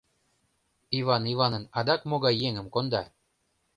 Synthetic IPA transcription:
ivɑnivɑnə̆nɑd̪ɑkmoɣɑjːeŋəmkond̪ɑ

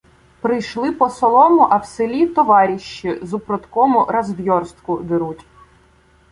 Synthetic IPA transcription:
pɾɪjʃlˠɪpɔsɔlˠɔmʊʔɐwselʲit̪ɔʋɑɾʲiʃt͡ʃːizʊpɾɔt̪kɔmʊɾɐzʋjɔrst̪kʊd̪ɪɾutʲ

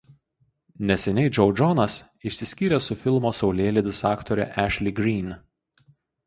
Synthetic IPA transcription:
nʲɛsʲɛnʲɛɪd͡ʒɔʊd͡ʒɔnɐs | ɪʃʲsʲɪsʲkʲiːɾʲɛsʊfʲɪlˠmoːsɒʊlʲeːlʲɪd̪ʲɪsɑːkt̪ɔːɾʲɛ̰ʔæʃʲlʲɪɡɾʲiːn

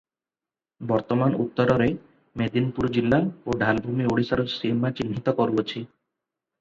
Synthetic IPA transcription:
bɔɾt̪ɔmanṵt̪ːɔɾɔɾe | med̪inpuɾd͡ʑilːaoɖʱalbʱumioɽisaɾusiemat͡ɕinɦit̪ɔkɔɾuot͡ɕʰi

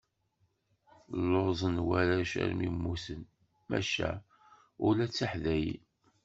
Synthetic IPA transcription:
lːozˤənwæɾæʃæ̰ɾmimːusən | mæ̰ʃæ̰ | ʊlæt͡sːaħðæjḭ

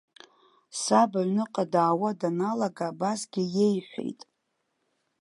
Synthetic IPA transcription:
sabaɥnɨqʼadaːwadanalaɡaːbasɡʲɪje̞jħʷᶣḛjtʼ

